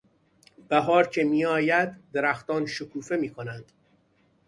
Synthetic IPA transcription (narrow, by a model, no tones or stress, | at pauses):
b̥æɦɒːɾcʰe̞miːɒːjæd̪ːe̞ɾæxt̪ɒːnʃokʰuːfe̞miːkʰonænd̪̥